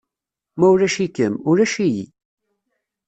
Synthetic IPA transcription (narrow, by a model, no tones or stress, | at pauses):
mæʊɾæʃikəmʊɾæʃijḭ